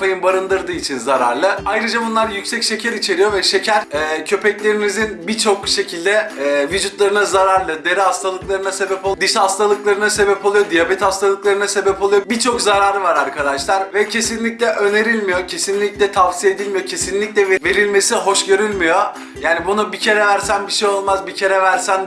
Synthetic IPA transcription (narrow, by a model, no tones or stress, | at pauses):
pajɯnbaɾɯnd̪ɯɾd̪ɯːit͡ʃʰinzaɾa̰ɾlˠɯajɾɯd͡ʒabunlˠaɾjycʲsɛcʃe̞cʰæɾit͡ʃʰe̞ɾijo̞vɛʃe̞cʰæɾɛːcʰø̞pʰɛclʲe̞ɾinizinbit͡ʃʰo̞kʃe̞cʰilʲd̪ɛːvid͡ʒut̪lˠaɾɯnazaɾaɾlˠɯd̪e̞ɾiɦast̪ʰalˠɯklˠaɾɯnase̞bɛpod̪ɯʃhast̪alˠɯklˠaɾɯnase̞bɛpʰo̞lˠujo̞d̪ijabɛt̪hast̪ʰalˠɯklˠaɾɯnasebɛpolˠujobit͡ʃʰo̞kzaɾaːɾɯvaɾaɾkʰad̪aʃlˠaɾvɛcʰe̞sinlʲicʲlʲɛʔø̞ne̞ɾilʲmijo̞cʰe̞sinlʲicʲlʲɛt̪ʰavsijed̪ilʲmijo̞cʰe̞sinlʲːicʲlʲɛveve̞ɾilʲme̞siɦo̞ʃɟø̞ɾylʲmijo̞ | jaːnibunubicʰe̞ɾɛvæɾsænbiʃejo̞lˠmazbicʰe̞ɾɛvæɾsæn